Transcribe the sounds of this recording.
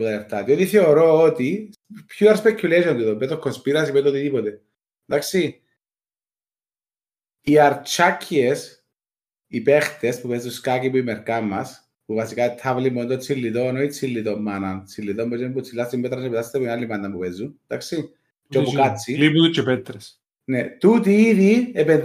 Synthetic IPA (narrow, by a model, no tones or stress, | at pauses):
ot̪aleɾt̪at̪iot̪iθeoɾoːt̪i | pçuɐɾspecʰːuleʃont̪it̪ombet̪okʰːonspiɾɐsipet̪ot̪it̪ipot̪e | d̪aksi | aɾt͡ʃʰakʰːies | ipext̪espupezuskakipuimeɾkamːɐs | puvasikat̪ʰːavlimond̪ot͡sʰilːit̪onoit͡sʰilːit̪omːanant͡sʰilːit̪ombot͡ʃeput͡sʰilːast̪imbɛt̪ɾasepɛt̪ast̪epuinalːimand̪ɐmpupɛzːund̪aksi | t͡ʃopukat͡sʰːiliput̪ut͡ʃʰɛpɛt̪ɾes | net̪ut̪iiðiepe